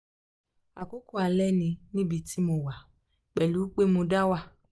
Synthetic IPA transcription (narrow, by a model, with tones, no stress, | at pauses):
a˨ko˦ko˦a˧lɛ˦nĩ˧nĩ˦bi˧ti˦mo˧wa˨ | k͡pɛ˨lu˨˦k͡pe˦mo˧da˦wa˦˨